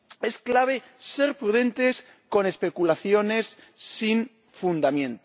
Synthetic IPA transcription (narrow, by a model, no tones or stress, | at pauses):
e̞sklaβ̞e̞ | se̞ɾpɾuðẽ̞nt̪e̞s | ko̞ne̞spe̞kulaθjo̞ne̞sː | iɱ | fund̪amjẽ̞nt̪o